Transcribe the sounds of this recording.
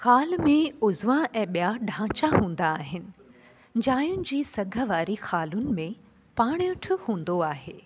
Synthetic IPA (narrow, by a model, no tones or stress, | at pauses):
xaːlmẽʊzʋãʔɛ̃ːɓijaɖʱãːt͡ɕaɦũːn̆d̪aːɦɪnɪ̆ | d͡ʑaːjʊnɪ̆d͡ʑiːsɐɡʱə̆ʋaːɾixaːlʊnɪ̆mẽ | paːɽ̃ʊʈʰɪ̆hũːn̆d̪oaːɦeː